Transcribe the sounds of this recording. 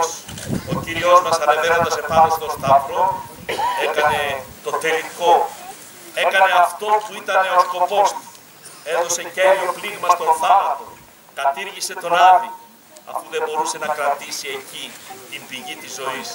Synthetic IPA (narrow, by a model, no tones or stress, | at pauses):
sociɾiozmɐsɐne̞ve̞ɾo̞nd̪ɐse̞pɐnest̪o̞st̪ɐvɾo̞ | e̞kɐne̞t̪o̞t̪e̞liko̞ | e̞kɐne̞ɐft̪o̞puit̪ɐne̞o̞sko̞po̞st̪u̥ | e̞ðo̞se̞ceɾiopliɣmɐst̪o̞nθɐnɐt̪o̞ | kɐt̪iɾʝise̞t̪o̞nɐvi | ɐ̰fuðe̞bo̞ɾuse̞nɐkɾɐt̪isie̞cit̪imbiʝit̪izːo̞is